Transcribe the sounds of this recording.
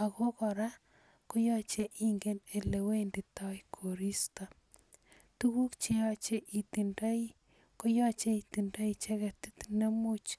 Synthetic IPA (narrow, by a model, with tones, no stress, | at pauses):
a˨ko˦kɔ˨ɾa˦ | ko˦jɔ˦t͡ʃeʔi˦ŋɡe˦ne˨le˨we˦ndi˨ta˦kʰo˨ɾi˦sta˨ | tu˦ku˦kt͡ʃe˦ɔ˦t͡ʃe˦ʔi˨ti˨nda˦i | ko˦jɔ˦t͡ʃe˦iti˨nda˦it͡ʃe˦ɣti˦tne˦mu˦t͡ʃ